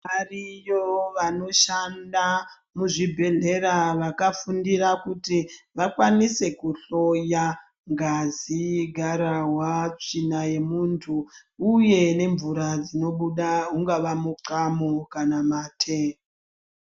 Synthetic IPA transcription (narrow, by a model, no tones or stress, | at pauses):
arijoʋano̞ʃanda | muʐibʱe̞ɮe̞ɾaʋakafundirakutiʋakwanise̞kuɬo̞ja | ŋɡaziɡʱaɾaɦwat͡ʃinaje̞muntʰuː | je̞ne̞ɱvuɾad͡zino̞ɓuɗaɦuŋɡaʋamuǀamokanamaːtʰe